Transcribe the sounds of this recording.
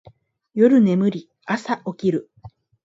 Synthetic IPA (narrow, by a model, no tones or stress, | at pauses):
jo̞ɾɯ̟ne̞mɯ̟ɾʲi | asaʔo̞kʲiɾɯ̟